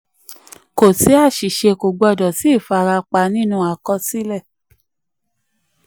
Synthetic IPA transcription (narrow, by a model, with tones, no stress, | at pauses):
ko˨si˨˦a˦˨ʃi˨ʃe˧ko˨ɡ͡bɔ˧˨dɔ˨si˨˦˨fa˧ɾa˧k͡pa˧˦nĩ˦nũ˧˦a˨kɔ˧si˨˦lɛ˦˨